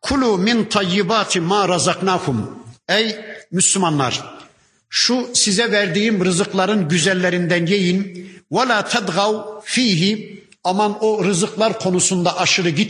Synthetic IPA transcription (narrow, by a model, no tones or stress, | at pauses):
kʰulumint̪ʰɑjːibaːt̪ʰimaːɾɑzɑqnaːkumɛjmyslumɑnːˠɑ̰ɾ̥ | ʃusizɛvɛɾd̪ijimɾɯzɯqlˠɑɾɯnɟyzɛlːɛɾind̪ænjejinwalaːt̪ʰad̪ɣawfiːɦi | amɑnoɾɯzɯqlˠaɾkʰo̞nusund̪aʔɑʃɯɾɯɟi